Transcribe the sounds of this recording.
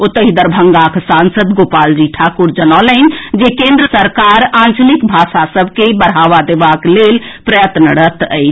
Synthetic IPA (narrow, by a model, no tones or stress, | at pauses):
ot̪ːəɦid̪əɾbʱəŋɡakʰsãnsəd̪ɡopald͡ʒiʈʰakuɾd͡ʒənalənd͡ʒekẽnd̪ɾəsəɾkaɾãnt͡ʃlikbʱaʃasəbʱkebəɽɦaʋad̪ebaklelpɾəjət̪nəɽət̪ə̰jt͡ʃʰ